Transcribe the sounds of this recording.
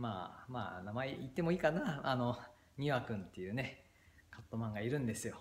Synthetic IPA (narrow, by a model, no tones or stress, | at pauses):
ma̰ːma̰ːnamaeʔit̪ːe̞mo̞iːkanaano̞ | ɲ̟iβakɯ̟̃nt̪ːe̞jɯ̟ːne̞ | kʰat̪ːomãŋɡaiɾɯ̟̃nd̪e̞sɨjo̞